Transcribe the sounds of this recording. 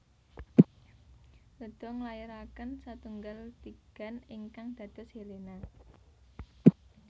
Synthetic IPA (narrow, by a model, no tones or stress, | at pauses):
ləd̪̥ɔ̤ŋlajəɾakənsat̪uŋɡalt̪iɡ̥a̤nɪŋkaŋd̪̥ä̤d̪̥ɔ̤shelena